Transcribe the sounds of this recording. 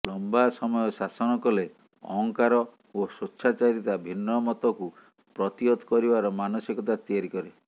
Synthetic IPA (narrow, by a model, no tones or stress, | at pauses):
lɔmbasɔmɔjɔsasɔñɔkɔle | ɔ̰ɦɔŋkaɾɔ | osutːt͡ʃʰat͡ʃaɾit̪abʱinːɔmɔt̪ɔku | pɾɔt̪iot̪kɔɾibaɾɔmanɔsikɔt̪at̪iaɾikɔɾe